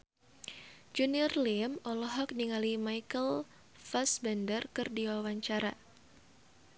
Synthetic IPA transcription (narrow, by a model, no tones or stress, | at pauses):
d͡ʒunirlɪmɔlɔɦɔk̚niŋalimajkəl | fasbɛndərkɨrdiwawaɲt͡ʃaɾa